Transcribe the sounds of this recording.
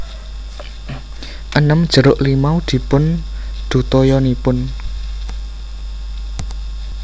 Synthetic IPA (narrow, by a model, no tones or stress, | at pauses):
ʔənəmd̥ʒ̥ə̤ɾʊʔlimaud̪̥i̤pʊnd̪̥ṳt̪ɔjɔnipʊn